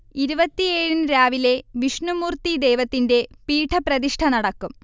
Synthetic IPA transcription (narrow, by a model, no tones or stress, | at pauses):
iɾubɐt̪ːieːɻunɾaːʋile̞ʋiʂnumuːrt̪id̪e̞jʋɐt̪ːinde̞piːʈʰːɐprɐðiʂʈʰɐnɐɽɐkːum